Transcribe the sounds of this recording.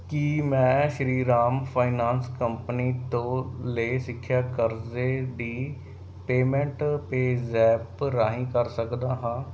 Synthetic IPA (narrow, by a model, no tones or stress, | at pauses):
kimɛ̃ːʃɾiːɾaːmpʰaːɪnaːnskəmpəniːt̪õːləisɪkʰːjaːkəɾzeːɖiː | peːmɛ̃ɳʈpeːzɛːpɾaːɦĩːkəɾsəkd̪aːɦãː